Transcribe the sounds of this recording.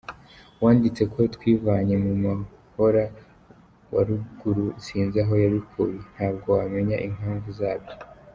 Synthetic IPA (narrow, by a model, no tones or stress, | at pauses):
waːndit͡se̞kwot̪wiːvaɲe̞muma | ho̞ɾa | wa̰ɾuɡuɾusiːnzaɦo̞jaɾikʰujen̥haːb̚ɡo̞wame̞ɲaʔiŋ̥haːɱvuzaːbjo